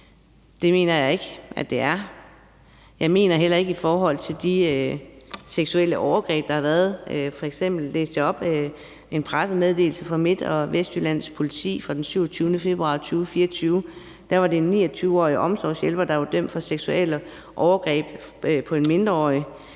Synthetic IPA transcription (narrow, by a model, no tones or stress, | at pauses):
d̥e̝me̝̰ːnɐjɑ̈ɪe̝ɡ̥əʔæd̥e̝æɐ | jɑ̈ɪme̝̰ːnɐɦel̰ɐe̝ɡ̥əifɒːɦɒ̽l̰t͡sʰe̝ld̥iø | seɡ̥sueləʔɒʊɐɡ̥ʁɛ̰ːb̥d̥ɑ̈hɑ̈ʋæːɐðˠfɒ̽eɡ̥sem̰b̥l̩ːe̝ːsd̥jaɒ̽b̥ | e̝npʰʁasəmeð̞ˠde̝̰ːl̩səfɑ̈me̝d̥ɒ̽ʋesd̥ylæn̰spʰo̝lit͡sʰḭːfʁɑ̈d̥ensyʊɐt͡sʰyːʊnəfe̝b̥ʁuɑ̈t͡sʰyːfiːɐɐt͡sʰyːʊ | d̥æɐʋɑ̈d̥e̝enːḭːɐt͡sʰyːʊɒ̰ːiʔɒ̽msɒ̰ːsjelb̥ɐd̥ɑ̈ʋɑ̈d̥øm̰̥fɒ̽seɡ̥suel̰ə | ʔɒʊɐɡ̥ʁɛ̰ːb̥pʰɒ̽e̝nme̝nd̥ʁɐɒ̰ːə